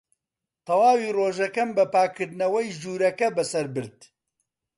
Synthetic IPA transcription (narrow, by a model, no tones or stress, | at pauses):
t̪ʰɐwaːwiːroːʒɐkɐmbɐpaːkʰːɨɾd̪nɐwɛjd͡ʒuːɾɐkɐbɐsɐɾbɨɾd̪̚